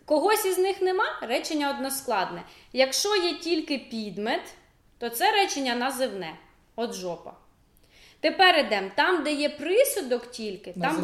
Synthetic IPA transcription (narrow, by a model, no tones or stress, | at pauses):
kɔɦɔsʲiznɪxnemɑrɛt͡ʃenʲːɐɔd̪nɔsklˠɑd̪nɛjɐkʃt͡ʃɔjɛtʲilʲkɪpʲid̪met̪ː | ɔt̪sɛɾɛt͡ʃenʲːɐnɐzɪwnɛ | ɔd̪ʒɔpɐ̰ | t̪epɛɾɪd̪ɛmt̪ɑmd̪ɛjɛpɾɪsʊd̪ɔktʲilʲkɪt̪ɑm